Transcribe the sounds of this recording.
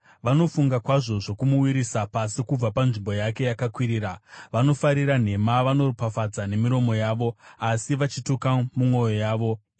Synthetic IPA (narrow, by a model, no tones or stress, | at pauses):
ʋano̞fuŋɡakwaʐo̞ʐo̞kumuwiɾisapasikub͡vapanʐimbo̞jake̞jakakwiɾiːɾaʋano̞faɾiɾan̤e̞maʋano̞rpafad͡zane̞miɾo̞mo̞jaːʋo̞asiʋat͡ʃitokamumwo̞jo̞jaːʋo̞